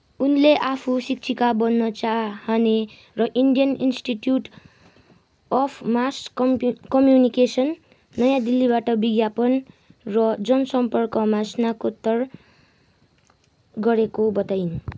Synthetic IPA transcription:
unleʔapʰusik̚t͡sʰikabʌnːʌt͡saɦʌne | rʌʔiɳɖijʌninsʈiʈjuʈ | ʌpʰmaskʌmjunikesʌnː | ʌjãd̪ilːibaʈʌbiɡjapʌn | rʌd͡zʌnʌsʌmpʌrkʌmasnakot̪ːʌr | ɡʌɾekobʌt̪ajn

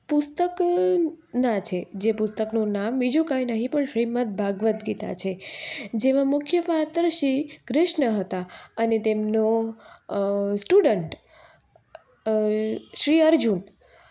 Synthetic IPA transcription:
pʊst̪ək | nãt͡ʃʰed͡ʒepʊst̪əknũnambid͡ʒũkajnəɦĩpəɳʃɾimət̪̚bʱaɡʋət̪ɡit̪a̰t͡ʃʰed͡ʒeʋãmʊkʰjəpat̪ɾəʃikɾɪʃɳəɦət̪aənet̪emno | sʈuɖəɳʈ | ʃɾiəɾd͡ʒun

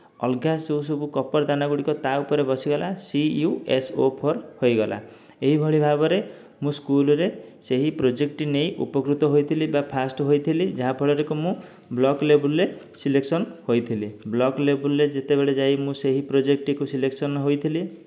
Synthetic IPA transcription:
ɔlɡasowsobukɔpɔɾd̪anaɡuɽikɔt̪aupɔɾebɔsiɡɔlasiuesopʰɔɾhojɡɔlʔa̰ | eɦibʱɔɭibʱabɔɾe | mũskulɔɾeseɦipɾod͡ʒekʈinejʔupɔkɾut̪ɔɦojt̪ʰilibapʰasʈɦojt̪ʰilid͡ʒaɦapʰɔɭɔɾekumũ | blɔklebulɾe | sileksɔnhojt̪ʰiliblɔklebulːed͡ʒet̪ebeɭed͡ʒajmũseɦipɾod͡ʒek̚ʈikusileksɔnɦojt̪ʰili

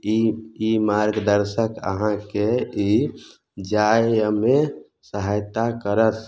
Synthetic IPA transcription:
iimaɾɡd̪əɾsəkə̰ɦãkei | d͡ʒaeəme | səɦajt̪akəɾət̪ʰ

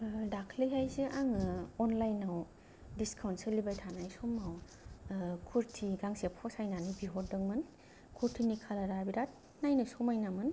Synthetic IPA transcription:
dakʰliɦajziʔaŋɯɔnlajnaw | diskʰawntselibajtʰanajsomːaw | kʰuɾtʰiɡaŋsepʰɔsajnanibiɦot̚dɯŋmɯn | kʰuɾtʰinikʰalaɾabiɾat̚ | najnɯsɔmajnamɯn

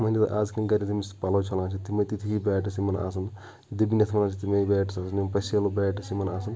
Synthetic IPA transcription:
mɐnʲd͡ʒit̪ʔaːzkɐnɡɐɾʲit̪ʰimispɐlɐt͡ʃʰɐlãːt͡ʃʰit̪imɐjt̪it̪ʰiɦibɛːʈɐsimɐna̰ːs̬ɐn | d̪ibinʲɐt̪ʰmɐnãːt͡ʃʰit̪imɐibɛːʈɐsaːsɐnpɐselobɛːʈɐsimɐnaːs̬ɐn

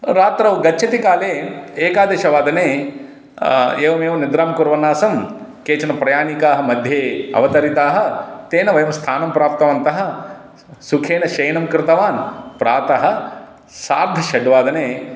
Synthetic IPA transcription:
ɾaːt̪ɾɐʋɐɡɐːt͡ʃʰɐt̪ikaːleːeːkaːd̪eːʃɐʋaːd̪ɐneː | eːʋɐmeːʋɐnid̪ɾaːmkuɾʋɐnaːsɐmkeːt͡ʃɐnɐpɾɐjaːnikaːɦɐ̆mɐd̪ʱjeːɐ̰ʋɐt̪ɐɾit̪aːɦɐ̆t̪eːnɐʋɐjɐmst̪ʰaːnɐmpɾaːp̚t̪ɐʋɐnt̪ɐɦɐ̆ | sukʰeːnɐʃɐjnɐmkɾɪt̪ɐʋaːnpɾaːt̪ɐɦɐ̆ | saːɾd̪ʱɐʃɐɖʋaːd̪ɐneː

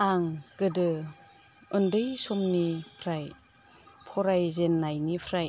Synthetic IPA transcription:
aŋɡ̥ɯdɯ | ɯndɯjsɔmnipʰɾaj | pʰɔɾajzenːajnipʰɾaj

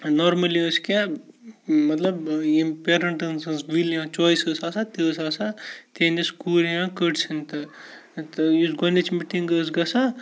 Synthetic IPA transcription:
nɔɾmɐliəskã | mɐt̪lɐbjimpeɾɐɳʈɐnsɐnsʋiljãːt͡ʃoːisəsaːsat̪esaːsat̪eneskuːljãkəʈsʰint̪ɨ | t̪ɨjisɡɐnet͡ʃmiʈiŋɡəsɡɐsa

